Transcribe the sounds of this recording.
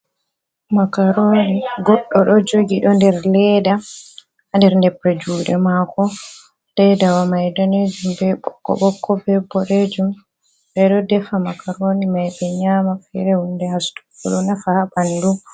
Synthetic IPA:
makaɾoːniɡɔɗːɔɗɔd͡ʒoɡiɗɔndɛɾlɛːda | ndɛɾndɛpːɛd͡ʒuːɗɛmakʰɔ | lɛjdawamajdɔned͡ʒumbɛɓɔ̰kːɔ̰ɓɔkːɔbɛbɔɾed͡ʒum | bɛɗɔdɛfamakaɾonimajɓɛɲaːmafɛɾɛhundɛhastu̥kɔlɔnafahabandu

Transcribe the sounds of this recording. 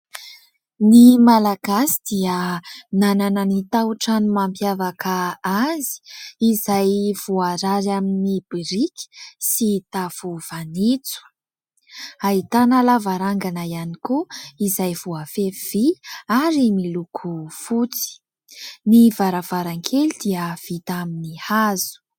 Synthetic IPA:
nimalaɡ̥asid̪̥iənanananit̪awuʈ͡ʂanumampjavakʰaazi̥izajv̥uaɾaɾaminib̥iɾikʲi̥sit̪afuv̥anit͡su̥ | ait̪analavaɾaŋɡanaianikuizajvuafev̥iaɾimilukʰufut͡si̥ | nivaɾav̥aɾaŋkʰelid̪̥iəv̥it̪aminihazu̥

